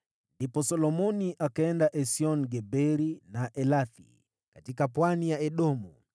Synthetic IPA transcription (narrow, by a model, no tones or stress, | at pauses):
ndipɔsɔlɔmɔniʔakaɛndaʔɛsiɔnɡɛbɛɾinaʔɛlaθḭ | katikapwanijaɛɗɔmu